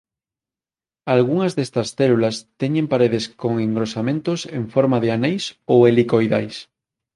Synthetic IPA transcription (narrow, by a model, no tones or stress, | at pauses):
alɣuŋazðest̪ɐsθelulast̪eɲẽmpaɾeð̞eskoŋẽŋɡɾosamẽnt̪oseɱfoɾmaðeanejsoelikojðajs